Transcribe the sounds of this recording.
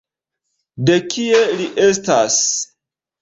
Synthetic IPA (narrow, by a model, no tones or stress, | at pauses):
de̞kʰieliʔestas